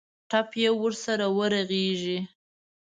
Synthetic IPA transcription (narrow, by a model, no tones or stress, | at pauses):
ʈapjewəɾsaɾawəɾaɣeʒi